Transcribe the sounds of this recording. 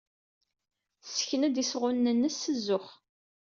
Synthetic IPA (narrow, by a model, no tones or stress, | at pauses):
sə̥çnæd̪isʁʊnːənːəsːəzːʊχ